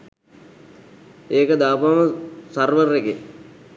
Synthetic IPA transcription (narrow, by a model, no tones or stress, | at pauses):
eːkəd̪aːpaməsɐrʋərːeke